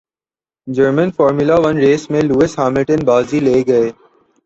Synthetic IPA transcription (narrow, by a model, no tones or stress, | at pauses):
d͡ʒəɾmə̃nfɔːɾmulaʋɐnɾeːsmẽluːɪshaːmɪlʈənbaːzileːɡɐeː